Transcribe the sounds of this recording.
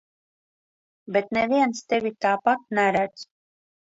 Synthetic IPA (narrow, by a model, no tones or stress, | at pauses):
bet̪nɛvʲiɛnst̪evʲit̪aːpat̪̚næɾæd̪z